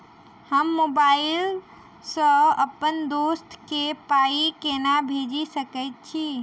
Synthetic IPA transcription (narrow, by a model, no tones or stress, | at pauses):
həmːobail | sə̃əpənd̪ost̪ʰkepaikenabʱed͡ʒisəkəɪt̪̚t͡ʃʰi